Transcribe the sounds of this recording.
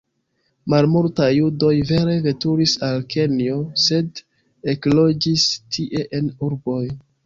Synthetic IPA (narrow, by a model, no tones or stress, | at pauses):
malmultajːudo̞jve̞ɾe̞ve̞tuɾisalkʰe̞nio̞se̞d | eklo̞d͡ʒistʰiʔe̞ʔe̞nuɾbo̞j